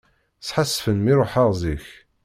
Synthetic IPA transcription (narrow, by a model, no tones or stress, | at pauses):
θħasːfənmiɾˤoħaʁziç